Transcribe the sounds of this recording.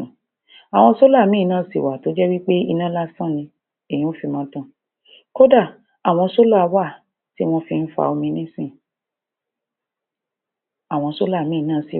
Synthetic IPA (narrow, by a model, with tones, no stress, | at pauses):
a˨w̃ɔ̃˧so˦la˦˨mĩ˦˧nãː˦˨si˨wa˨to˨˦d͡ʒɛ˦wi˦k͡pe˦ḭ˧nã˦la˦sã˦˨nĩ˧ | e˨jĩ˦o˦fi˧mã˨˦tã˦˨ | ko˦da˦˨ | a˨w̃ɔ̃˧so˦la˦˨˧wa˦˨ | ti˦w̃ɔ̃˦fi˧n̩˦fa̰˧˨o˧mĩ˧nĩ˦sĩ˦˨ | a˨w̃ɔ̃˧so˦la˦˨mĩ˦˧nãː˦˨sḭ˨